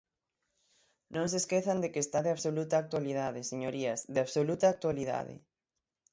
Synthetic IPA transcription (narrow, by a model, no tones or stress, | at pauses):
nõŋs̬eskeθɐnd̪ekest̪aðeaβsolut̪aːk̚t̪walið̞aðɪseɲoɾiɐsðeaβsolut̪aːk̚t̪waliða̰ðɪ̰